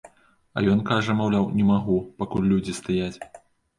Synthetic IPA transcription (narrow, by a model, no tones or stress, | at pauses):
ɐ̰jɔnkaʐɐmawlʲawnʲɛmaɣupakulʲlʲud͡zʲist̪ajat͡sʲ